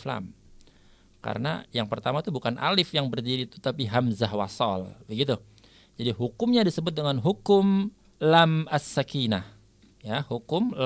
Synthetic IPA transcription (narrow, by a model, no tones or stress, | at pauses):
fla̰m | ka̰ɾəna̰jaŋpərt̪amat̪ubukanʔa̰lɪfjaŋbərdiɾiːt̪u̥t̪apiɦamzahwa̰sɔ̰lbəɡit̪u | d͡ʒadiɦukʊmɲadisəbʊt̪̚dəŋanɦukʊm | lamasːakinah | jahukʊml